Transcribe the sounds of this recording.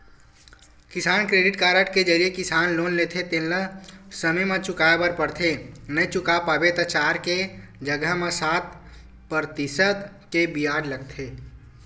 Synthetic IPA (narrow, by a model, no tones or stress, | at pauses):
kɪsaːnkɾeːɖɪʈkaːɾəʈked͡ʒəɾijekɪsaːnloːnlet̪ʰet̪ẽnləsəməjmẽt͡ʃʊkaːebəɾpəɽt̪ʰenət͡ʃʊkapaːbet̪ət͡ʃaːɾked͡ʒəɡəmẽsaːt̪̚ | pəɾt̪isət̪ | kebiaːɖləɡ̚t̪ʰeː